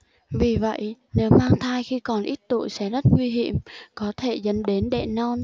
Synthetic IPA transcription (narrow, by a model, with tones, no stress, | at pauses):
vi˨˩və̰˧˨jne˨˦wmaː˧ŋt̪ʰaː˧jxi˧kɔ˨˩nʔi˦˥t̚t̪ṵ˧˨jsɛ̰˧˥zə˦˥t̚ŋwi˧ɦḭ˧˨əmkɔ˨˦t̪ʰe˧˩zə̰˧˥nɗe˨˦nɗɛ̰˧˨nɔ˧n